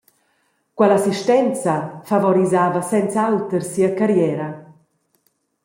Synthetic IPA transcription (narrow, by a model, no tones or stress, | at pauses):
kwɛlasiʃtɛnt͡safavɔɾizaːvasɛnt͡sawt̪əɾsiːakaɾjɛːɾa